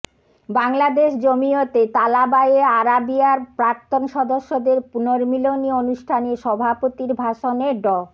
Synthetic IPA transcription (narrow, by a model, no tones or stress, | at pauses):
baŋlad̪eʃd͡ʑomiot̪et̪alabaeaɾabiaɾpɾaɾt̪onʃɔd̪oʃːod̪eɾpunoɾmilonionuʃʈʰaneʃɔbʱapot̪iɾbʱaʃoneɖɔ